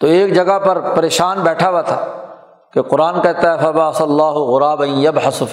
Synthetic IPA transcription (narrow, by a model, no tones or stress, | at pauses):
t̪oːeːkd͡ʒɐɡapɐɾpɐɾeːʃaːnbɛːʈʰawat̪ʰa̰ː | keqʊɾaːnkɛɦt̪aɦɛfɐbaɐsɐlːaːɦʊɣʊɾaːbɐ̃jɐbħɐsʊf